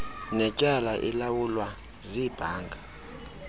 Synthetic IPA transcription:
nɛcʼalaʔilawulwa | zib̥ʱaːŋɡʱa

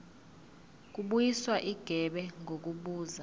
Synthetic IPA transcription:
k̬ʼuɓujiswaʔiɡ̥ʱɛɓɛŋʱok̬uɓuːza

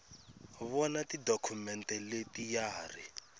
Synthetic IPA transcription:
βɔnatidokʰumɛntɛletijaːri

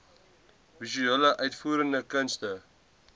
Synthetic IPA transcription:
visyələʔœɥtfuːɾəndəkənstə

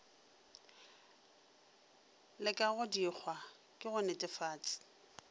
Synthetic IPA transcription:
lɪkʼaɣʊdik͡xʰwa | kʼɪɣʊnɪtʼɪfaːt͡sʼɪ̥

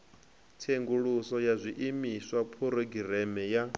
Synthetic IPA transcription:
tʰeŋɡuɺusɔjazʷiʔimiswapʰuɾɔɡiɾɛmɛja

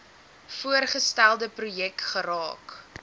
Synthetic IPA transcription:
fuərχəstælˠdəprujɛkχəɾɑːk

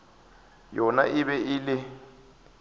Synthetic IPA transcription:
jɔna̰ɪβɛʔɪlɪ

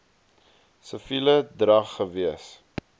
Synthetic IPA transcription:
səfilədrɐχːəviəs

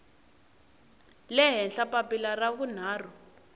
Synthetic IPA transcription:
lɛɦɛnɬapapilaraɣun̤aːrɔ

